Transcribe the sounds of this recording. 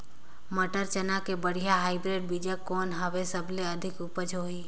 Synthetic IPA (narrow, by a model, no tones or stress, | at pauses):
məʈəɾt͡ʃənakebəɽ̤ijaɦaːɪbɾeːɖ̚bid͡ʒəkːoːnɦəʋesəbʱleəd̪ʱɪkʊpəd͡ʒɦoi